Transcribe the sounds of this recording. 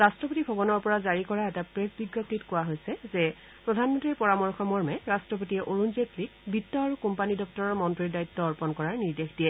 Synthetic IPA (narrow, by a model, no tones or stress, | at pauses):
ɹastɹɔpotibʱɔbɔnɔɹpɔɹazaɹikɔɹaɛtapɹesbiɡjɔp̚titkʊwaɦojsɛzɛ | pɹɔdʱanmɔntɹiɹpɔɹamɔɹxɔmɔɹmɛɹastɹɔp̬otiɛʔoɹunzetlikbʱitːɔaɹukumpanidɔp̚tɔɹɔɹmɔntɹiɹdaitːɔːɹpɔnkɔɹaɹniɹdexdijɛ